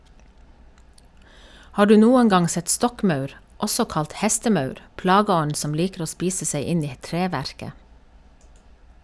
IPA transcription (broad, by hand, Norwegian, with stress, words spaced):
ˈhɑː ˈɖʉː ˈnuːəŋ ˈɡɑŋ ˈsɛt ˈstɔkˌmɑʉɾ ˈʔɔsɔ ˈkɑlt ˈhɛstəˌmɑʉɾ ˈplɑːɡəˌɔɲ ˈsɔm ˈliːkɾ̩ ˈoː ˈspiːsə ˈsæɪ ˈɪn ˈiː ˈtɹeːʋæɾkə